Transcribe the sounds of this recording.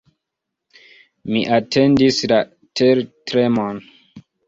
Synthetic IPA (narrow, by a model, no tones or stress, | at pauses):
miʔatʰe̞ndisla | tʰeɾtɾemon